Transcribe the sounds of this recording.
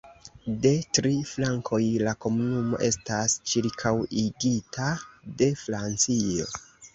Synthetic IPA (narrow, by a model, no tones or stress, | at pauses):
de̞tɾiflaŋkʰo̞jlako̞munumo̞̰ʔe̞stast͡ʃiɾkʰawiɡitʰade̞fɾant͡sio̞̰